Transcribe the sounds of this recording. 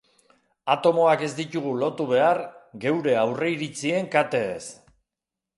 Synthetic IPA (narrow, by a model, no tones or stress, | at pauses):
at̪o̞mo̞ake̞zd̪it̪uɣ̞ulo̞t̪uβe̞arɡe̞wɾe̞awre̞iɾit͡sie̞ŋkat̪e̞ːs